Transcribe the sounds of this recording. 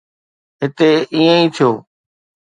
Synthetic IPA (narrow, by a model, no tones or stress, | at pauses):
ɦɪt̪eːiːə̃ĩːt̪ʰijoː